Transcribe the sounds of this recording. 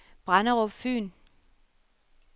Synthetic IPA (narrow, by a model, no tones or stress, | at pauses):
b̥ʁɑnəʁɔb̥fy̰ːn